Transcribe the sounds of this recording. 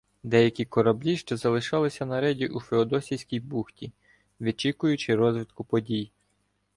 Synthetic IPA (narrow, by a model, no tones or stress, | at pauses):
d̪ɛjɐkʲikɔɾɐblʲiʃt͡ʃɔzɐlˠɪʃɑlˠɪsʲɐnɐɾɛdʲiʔufʲeɔd̪ɔsʲijsʲkʲijbuxtʲi | ʋʲit͡ʃikʊjʊt͡ʃɪɾɔzʋʲɪt̪kʊpɔdʲij